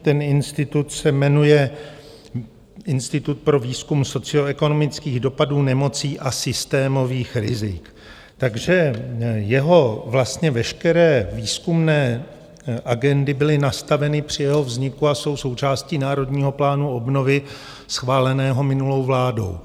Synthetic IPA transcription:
t̪ɛnɪnst̪ɪt̪ut̪sɛmɛnujɛ | ʔɪnst̪ɪt̪ut̪̚pɾo̞viːskumso̞t͡sɪo̞ɛko̞no̞mɪt͡skiːɣdo̞paduːnɛmo̞t͡siːʔasɪst̪ɛːmo̞viːxɾɪ̰zɪk | t̪aɡʒɛjɛɦo̞vlast̪ɲɛvɛʃkɛɾɛːviːskumnɛː | ʔaɡɛndɪbɪlɪnast̪avɛnɪpr̥ɪjɛɦo̞vzɲɪkuaso̞wso̞wt͡ʃaːsciːnaːɾo̞dɲiːɦo̞plaːnuo̞bno̞vɪ | sxvaːlɛnɛːɦo̞mɪnulo̞wvlaːdo̞̰w

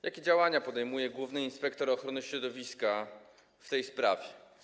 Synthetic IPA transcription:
jakʲɛd͡ʑawaɲapɔd̪ɛjmujɛɡwuvnɘinspɛkt̪ɔɾɔxɾɔnɘɕɾɔd̪ɔvʲiska | ft̪ɛjspɾa̰vʲjɛ

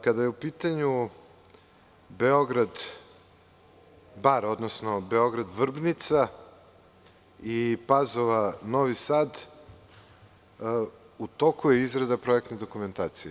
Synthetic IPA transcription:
kad̪ajeupiːt̪aɲu | beo̞ɡɾad̪ | baɾo̞d̪nosnobe̞o̞ɡɾad̪ʋr̩bnit̪sa | ipazoʋanoʋisaːd̪ | ut̪okujeizɡɾad̪apɾojek̚t̪ned̪okume̞nt̪aːt̪sije

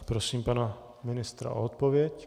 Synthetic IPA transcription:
pɾosiːmpana | minɪst̪ɾa̰ot̪̚pɔvɪɛc

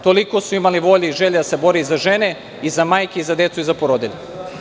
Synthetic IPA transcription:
t̪o̞liko̞suimaliʋo̞ʎeiʒeʎed̪asebo̞ɾeizaʒe̞ne̞ | izamaːjkeizad̪e̞t̪suizapoɾod̪iʎe

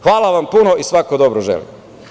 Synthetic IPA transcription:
xʋaːlˠaʋampunoʔisʋakod̪obɾoʒḛlḭm

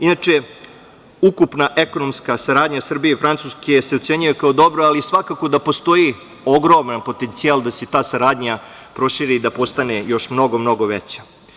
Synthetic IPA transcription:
inat͡ʃe | ukupnaʔe̞ko̞nomskasaɾaːd̪ɲasr̩bijefɾant̪suske̞seot̪se̞ɲujekaod̪o̞bɾoalisʋakako̞d̪apo̞st̪o̞ji | o̞ɡɾo̞manpo̞t̪e̞nt̪sialˠd̪ase̞t̪aːsaɾaːd̪ɲa | pɾo̞ʃiɾid̪apo̞st̪ane̞jo̞ʃmno̞ɡo̞mno̞ɡo̞ʋḛt͡ɕḁ

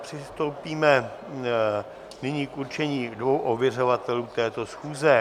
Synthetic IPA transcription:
pr̝̥ɪst̪o̞wpiːmɛ | nɪɲiːkʔuɾt͡ʃɛɲiːdvo̞wʔovjɛr̝o̞vat̪ɛluːt̪ɛːt̪o̞sxuːzɛ

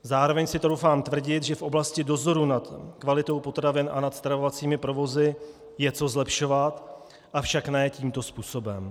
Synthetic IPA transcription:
zaːɾo̞vɛɲsɪt̪ɾo̞wfaːmt̪vr̩ɟɪt̪ʒɛfʔo̞blascɪdo̞zo̞ɾunat̪kvalɪt̪o̞wpo̞t̪ɾavɪnʔa̰nat̪st̪ɾavo̞vat͡siːmɪpɾo̞vo̞zɪ | jɛt͡so̞zlɛpʃo̞vat̪ | ʔafʃaknɛːciːmt̪o̞spuːso̞bɛm

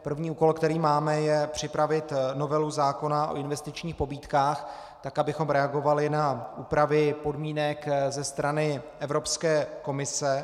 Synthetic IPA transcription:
pr̩vɲiːuːko̞lkt̪ɛɾiːmaːmɛjɛpr̝̥ɪpɾavɪt̪no̞vɛluzaːko̞naʔo̰ʔɪnvɛst̪ɪt͡ʃɲiːxpo̞biːt̪kaːx | t̪akabɪxo̞mɾɛaɡo̞valɪnaʔuːpɾavɪpo̞dmiːnɛkzɛst̪ɾanɪʔɛvɾo̞pskɛːko̞mɪsɛ

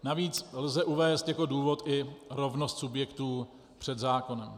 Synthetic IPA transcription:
naviːt͡slzɛʔuvɛːst̪jako̞duːvo̞t̪ʔɪɾo̞vnost̪subjɛkt̪uː | pr̝̥ɛd̪zaːko̞nɛm

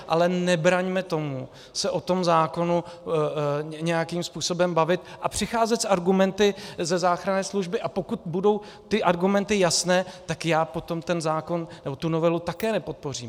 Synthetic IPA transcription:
ʔalɛnɛbɾaɲmɛt̪o̞mu | sɛʔo̞t̪o̞mzaːko̞nu | ɲɛjakiːmspuːso̞bɛmbavɪt̪̚ʔapr̝̥ɪxaːzɛt̪saɾɡumɛnt̪ɪzɛzaːxɾanɛːsluʒbɪʔapo̞kut̪budo̞w | t̪ɪʔaɾɡumɛnt̪ɪjasnɛːt̪akjaːpo̞t̪o̞mt̪ɛnzaːko̞nnɛbot̪unovɛlut̪akɛːnɛpo̞t̪̚por̝iːm

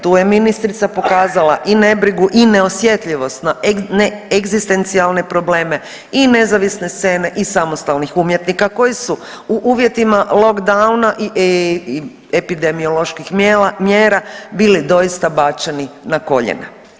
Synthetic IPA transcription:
t̪uːje̞minist̪ɾit̪sapo̞kaːzala̰ʔine̞bɾiɡuʔine̞o̞sje̞t̪ʎiʋo̞st̪naneeɡzist̪e̞nt̪sialˠne̞pɾo̞ble̞ːme̞ | ine̞zaʋisne̞st̪se̞ːne̞ʔisamost̪alnixumje̞t̪nikako̞jisu | uʔuːʋje̞t̪imalo̞kd̪aunaʔi | epid̪e̞mio̞lo̞ʃkixmjeːɾabiːlid̪o̞jist̪abat͡ʃeninako̞̰ʎḛnḛ

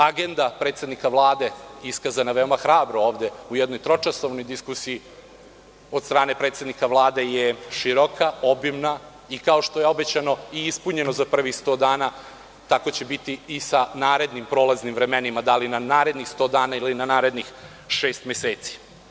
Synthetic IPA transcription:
aɡe̞nd̪apɾe̞ːt̪se̞d̪nikaʋlˠaːd̪e̞iskazanaʋe̞o̞maxɾaːbɾooːʋd̪e̞ujɛd̪no̞jt̪ɾo̞t͡ʂasoʋno̞jd̪iskusiji | o̞d̪st̪ɾaːne̞pɾet̪se̞d̪nikaʋlˠaːd̪e̞jeʃiɾokʰao̞bimna | ikao̞ʃt̪oje̞o̞bet͡ɕano̞iispuɲe̞nozapr̩ʋixst̪o̞d̪aːna | t̪ako̞t͡ɕebit̪iːsanaːɾe̞d̪nimpɾo̞ːlˠaznimvɾe̞menimad̪alinanaːɾe̞d̪nixst̪o̞ːd̪aːnailinanaːɾe̞d̪nix | ʃe̞ːst̪meseːt̪si̥

